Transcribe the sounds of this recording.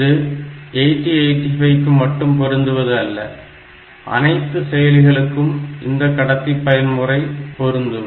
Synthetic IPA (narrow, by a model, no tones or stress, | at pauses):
ðɯeʈːieɪʈifɐɪkːɯmːɐʈːɯmpɔɾɯnd̪ɯʋɐðɯɐlːɐ | ʔɐ̰nɐɪt̪ːɯsɛjɐlɪɣɐɭɯkːɯmɪ̰nd̪ɐkːɐɽɐt̪ːipːɐjɐnmʊrɐɪpɔɾɯnd̪ɯ